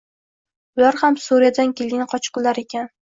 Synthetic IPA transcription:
ʊlaɾhamsuɾijad̪ankʲe̞lɡʲɪnɪqʰɒt͡ʃqɨllːaɾe̞kʲan

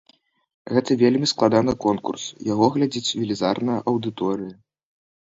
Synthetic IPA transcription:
ɣɛt̪ɨvʲelʲmʲisklˠad̪anɨkɔnkṵrsjaɣɔɣlʲad͡zʲit͡sʲvʲilʲizarnɐjɐʔɐwd̪ɨt̪ɔɾɨjɐ

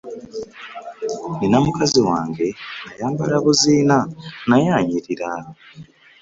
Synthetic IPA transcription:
ninamukaziwaːŋɡe̞najaːmbalaβuziːnanajaːɲiɾiɾa

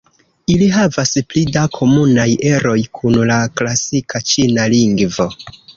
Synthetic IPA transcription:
iliɦavasplidakʰo̞munajʔe̞ɾo̞jkʰunlaklasikʰat͡ʃinaliŋɡvo̞

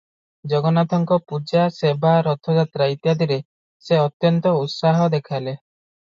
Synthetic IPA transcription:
d͡ʒɔɡɔnat̪ʰɔŋkɔpud͡ʒasebʱaɾɔt̪ʰɔd͡ʒat̪ɾait̪ijad̪ʱiɾe | seɔt̪jɔnt̪ɔut̪saɦɔd̪ekʰajle

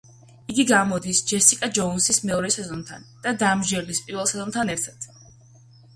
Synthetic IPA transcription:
iɡiɡamɔd̪isd͡ʒɛsikʼad͡ʒɔunsismɛɔɾɛsɛzɔnt̪ʰa̰nd̪̥ad̪amʒɛɾlispʼiɾvɛlˠsɛzɔnt̪ʰanɛɾt̪ʰad̪̥

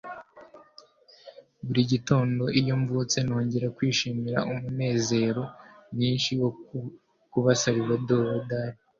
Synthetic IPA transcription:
βuɾiɟito̞ːndo̞ʔijo̞ɱvut͡se̞no̞ːɲɟe̞ɾakwiːʃiːmiɾa̰ʔumune̞ːze̞ːɾo̞mɲiːnʃijo | kuβasaβiβadoɾodaːɾi

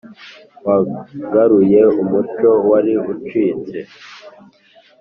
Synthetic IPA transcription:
waɡaɾuje̞umut͡ʃo̞waɾiut͡ʃiːnze

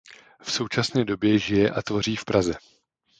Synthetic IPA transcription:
fso̞wt͡ʃasnɛːdo̞bjɛʒɪjɛʔat̪vo̞r̝iːfpɾazɛ

